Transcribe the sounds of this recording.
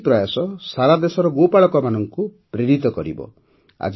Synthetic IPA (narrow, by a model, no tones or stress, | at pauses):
pɾɔjasɔsaɾad̪esɔɾɔɡopaɭɔkɔmanɔŋkupɾeɾit̪ɔkɔɾḭbɔ̰ | a̰d͡ʒ